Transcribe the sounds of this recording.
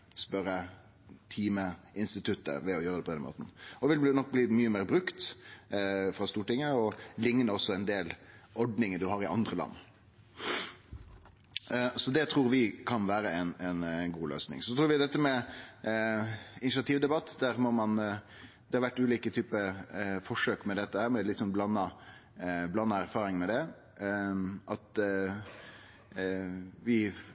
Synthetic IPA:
spœɾːə | t̪ʰiːməɪnst̪ɪt̪ʰʉt̪ːə̰ʋɛɔjøːɾəd̪ɛpɔd̪ɛnmo̰ːt̪n̩ɔʋɪlnɔk̚ːbliːmyːəmeːɾbɾʉkt̪ | fɾɑst̪uːʈɪŋːəɔlɪŋnəɔsːɔɛnd̪eːlɔɖnɪŋəd̪ʉɦɑɾɪʔɑ̰nd̪ɾəlɑ̰nː | sɔd̪ɛt̪ʰɾuːɾʋɪkʰɑnʋæːɾəɛnɛnɡuːlø̰ːsnɪ̰ŋsɔt̪ʰɾuːɾʋɪd̪ɛt̪ːəmɛ | ɪnɪʃɑt̪ʰiːʋd̪ɛbɑt̪ːd̪æɾmɔmɑn | d̪ɛhɑɾʋæʈːʉːliːkət̪ʰyːpəfɔʂøːkmɛd̪ɛt̪ːəhæːɾmɛlɪt̪ːsɔnblɑnːɑ | blɑnːɑæɾfɑːɾɪŋmɛd̪ɛ | ʔɑt̪ | ʋɪ

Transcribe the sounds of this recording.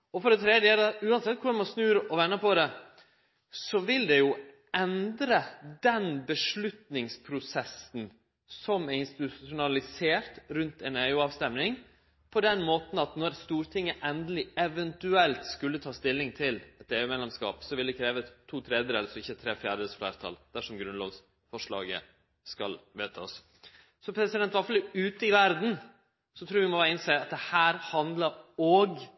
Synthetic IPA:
ɔfɔɖɛt̪ʰɾɛd̪jələʉːɑnsɛt̪̚ːkʰʊɾɛmɔsnʉːɾʔɔʋɛnːəpʰɔd̪ɛ | sɔʋɪld̪ɛjʊ | ɛnd̪ɾəd̪ɛnbəʂɭʉt̪nɪŋspʰɾʊsɛsn̩ | sɔmæɪnst̪ɪt̪ʉʊnɑlɪseːɾt̪ɾʉnt̪ɛneːʉɑːʋst̪ɛmnɪŋ | pʰɔd̪ɛnmoːt̪n̩ɑt̪nɔɾst̪uːɾt̪ʰɪŋːəʔɛnd̪əlɪɛʋɛnt̪ʉɛlt̪skʉlːət̪ʰɑːst̪ɪlːɪŋt̪ʰɪlɛt̪eːʉːmɛːd̪lɛmskɑ̰ːpsɔʋɪlɛkʰɾeːʋət̪ʰːuːt̪ʰɾɛːd̪əɾɛləɾsɔɪçːət̪ʰɾeːfjæːɖ̪əsflæːɾt̪ʰɑ̰ld̪̥æʂɔmɡɾʉnlo̰ːɡs | fɔʂɭɑ̰ːɡə̰ | skɑlʋeːt̪ʰɑ̰s | sɔpʰɾɛsɪd̪ɛnt̪ʋɑɾfɑləʉːt̪əɪʋæɾd̪n̩ | sɔt̪ʰɾuːɾʋɪmɔbæːɾɪnseːɑt̪̚d̪ɛhæːɾhɑnd̪ləɾoːɡ

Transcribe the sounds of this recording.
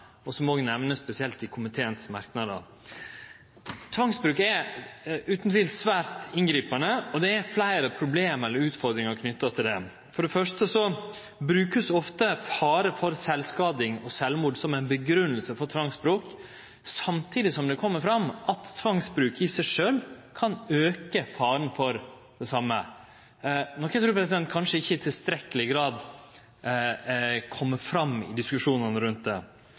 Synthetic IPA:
ɔsɔmɔʋɪnɛʋnəspɛsɪɛlt̪ɪkʰʊmɪt̪ʰeːənsmɑ̰ɾknɑd̪ə̰ | t̪ʰʋɑŋsbɾʉːkɛ | ʉːt̪n̩t̪ʰɪlsʋæːɾt̪ɪnɡɾiːpɑnəɔd̪ɛæflæɪɾəpʰɾʊbleːmɛlːəɾʉːt̪fɔɾd̪ɾɪŋɑɾkʰnʏt̪ːɑt̪ʰɪld̪ɛ | fɔɖɛfœʂtəsɔ | bɾʉːkəsɔft̪əfɑːɾəfɔɾsɛlskɑːd̪ɪŋɔsɛlmuːɖsɔmæɪnbəɡɾʉnːəlsəfɔɾt̪ʰʋɑŋsbɾoːk | sɑmt̪ʰiːd̪ɪsɔmd̪ɛkʰɔmːəɾfɾɑmʔɑt̪t̪ʰʋɑŋsbɾʉːkɪsæɪʂøːlkʰɑnøːkəfɑːɾənfɔɾ | d̪̥ɛsɑmːə | nɔkʰɛt̪ɾʉːɾpɾɛs̬ɪd̪ɛnt̪̚kʰɑnʂəɪçːəɪt̪ʰɪlst̪ɾɛkːəlɪɡɾɑːd̪ | kʰɔmːəfɾɑmɪ̰d̪ɪskʉʂuːnənəɾʉnt̪̚d̪ɛ̰

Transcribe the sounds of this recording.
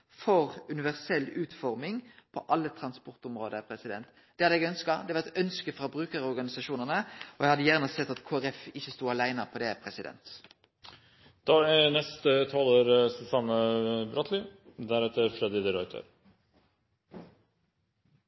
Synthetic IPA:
fɔʁʉnɪʋæʁsɛlːʉːt̪fɔʁmɪŋpʰɔʔɑlːət̪ʰɾɑnspɔʁt̪ʊmʁoːd̪əpʰɾɛsɪd̪ɛ̰nt̪ | d̪̥ɛhɑd̪ɛɡœnskɑd̪ɛʋɑɛt̪œnskəfʁɑbʁʉːkəɾɔʁɡɑnɪsɑʃuːnəʁnəɔjɛhɑd̪ːəjæʁnəsɛt̪ːɑt̪kʰoːæʁɛfɪçːəst̪uːɑlæɪnəpʰɔd̪ɛpʰɾɛsɪd̪ɛ̰nt̪ | d̪̥ɑːɛnɛst̪ət̪ʰɔloːɾsʉsɑnːəbɾɔt̪ʰlɪd̪æɾɛt̪ːəɾfɾɛd̪ɪd̪əɾɔʏt̪ʰə̰ɾ

